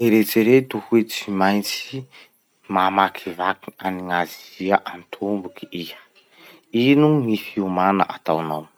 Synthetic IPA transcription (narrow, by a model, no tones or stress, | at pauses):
eɾet͡seɾet̪uhuet͡simajnt͡si̥ | mamakʰivakianiŋaziziəʔant̪ʰumbukiijə̥ | inuŋifiumanə̰ʔat̪awnaw